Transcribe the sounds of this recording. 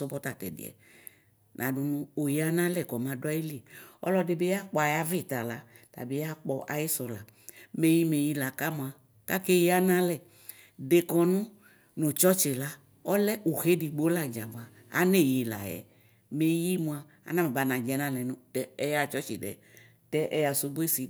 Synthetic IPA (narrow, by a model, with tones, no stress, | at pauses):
ɔ˦bɔ˦t̪a˨t̪ɛ̰˨dḭ˨ɛ̰˨ | nʔã˨du˨nũ˦o˨je˨˦a˦nã˦lɛ˨kɔ˨mã˨da˦ji˦li˦˨ɔ̰˦lɔ˦de˨be˦a˦k͡pɔ˨˦a˨ja˦ve˦˨t̪a˨la˦ | ta̰˨be˦a˦k͡pɔ˦ʔa̰˨je˦sɔ˨la̰˨ | me˦ji˦me˨ji˦la˨ka˦mũ˨a˨ | ka˦ke˦je˦a˦nã˦lɛ˦˨ | de˨kɔ˨nũ˦ | no˨t͡ʃɔ˦t͡ʃe˨la˦ | ɔ˦lɛ˦ʔu˨ɣe˦di˨ɡ͡bo˦la˦˨d͡ʒa˨ba˨ | a̰˨ne˦˨je˨la̰˨jɛ̰˨ | me˨ji˦mũ˨a˨ | a̰˨nã˦me˨ba˨˦nã˨d͡ʒɛ˨˦nã˦lɛ˨nũ˦tɛ˦ɛ˦ja˨t͡ʃɔ˦t͡ʃḛ˨ɖɛ̰˨ | tɛ˦ʔɛ̰˦ja˨su˦bu˦e˦si˨